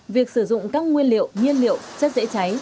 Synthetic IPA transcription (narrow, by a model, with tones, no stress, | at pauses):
vi˨˩ək̚sɨ˧˩zʊ̰˧˨ŋ͡mkaː˦˥k̚ŋwi˧ənlḭ˧˨əwŋwi˧ənlḭ˧˨ə˨wt͡ɕə˦˥t̚zḛ˧˥t͡ɕa˨˦j